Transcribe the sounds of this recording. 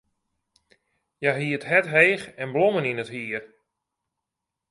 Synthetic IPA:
jaɦiətɦɛtɦeːxɛnbloməninəthiər

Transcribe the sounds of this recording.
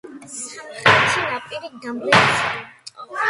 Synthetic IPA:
χasʰinapʼiɾid̪amlɛs

